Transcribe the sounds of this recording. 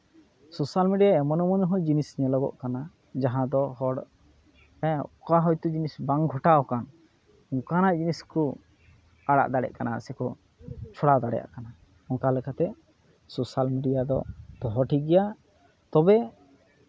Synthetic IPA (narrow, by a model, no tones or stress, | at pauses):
sosalmiɖijaɛmɔnɔmɔnɔɦɔ̃d͡ʒinisɲalɔɡɔ̰ʔkana | d͡ʒaɦãd̪ɔɦɔɽ | ɛʔkaɦɔjt̪ud͡ʒinisbaŋɡʱɔʈaɔkan | ɔŋkanaʔd͡ʒiniskɔ | aɽa̰ʔd̪aɽɛ̰ʔkanasɛkɔ | t͡ʃʰɔɽad̪aɽɛja̰ʔkana | ɔŋkalɛkat̪ɛ | sosalmiɖijad̪ɔ̰d̪ɔɦɔʈiɡɛja | t̪ɔbɛ